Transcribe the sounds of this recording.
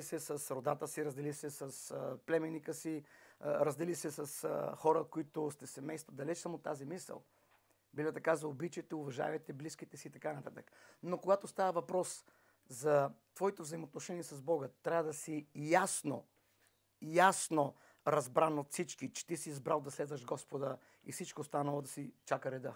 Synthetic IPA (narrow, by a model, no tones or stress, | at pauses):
isɛsɐsɾod̪at̪əsiɾɐzd̪ɛlisɛsɐsplɛmɛnikəsiɾəzd̪ɛlisɛsɐsxɔɾəkoit̪ʊst̪ɛsɛmɛjst̪vəd̪ɐlɛt͡ʃsamot̪ːazimisə̰lˠ | bilʲɛt̪ɐkazɐobit͡ʃit̪ɛʊvɐʒa̰vɛt̪ɛbliskit̪ɛsiːt̪ɐkanɐt̪at̪əknokoɡat̪ost̪avəvɐpɾɔs | zɐt̪vɔit̪ovzɐimot̪noʃɛniɛsɐzbɔɡət̪ɾʲavəd̪ɐsijasno̰ | jasno | ɾɐzbɾanot̪fsit͡ʃkit͡ʃɛ̥t̪isiːzbɾalˠd̪ɐslɛd̪vəʃɡɔspod̪ə | ḭfsit͡ʃkost̪anəlˠod̪ɐsit͡ʃakəɾɛd̪ə